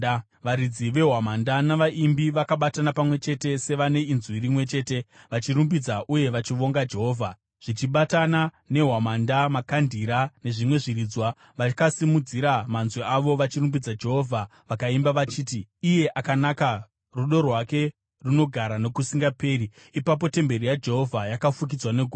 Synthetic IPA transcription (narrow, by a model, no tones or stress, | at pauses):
ʋaɾid͡ziʋe̞ɦwamandanaʋaʔimbiʋakaɓatanapamwe̞t͡ʃe̞te̞se̞ʋane̞inzwiɾimwe̞t͡ʃe̞ːte̞ | ʋat͡ʃirumbid͡zaʔuje̞ʋat͡ʃiʋo̞ŋɡad͡ʒe̞ɦo̞ːvʱa | ʐ̥it͡ʃiɓatana | ne̞ɦwamandamakandiɾane̞ʐimwe̞ʐiɾiːd͡zwa | ʋakasimud͡ziɾamanzweaʋo̞ʋat͡ʃirumbid͡zad͡ʒe̞ɦo̞vʱaʋakaimbaʋat͡ʃiːtiije̞ʔakanaka | ruɗo̞rwake̞ | runo̞ɡʱaɾane̞kusiŋɡape̞ːɾiː | pap̬o̞te̞mbe̞rijad͡ʒe̞ɦo̞vʱajakafuk̬id͡zwane̞ɡʱu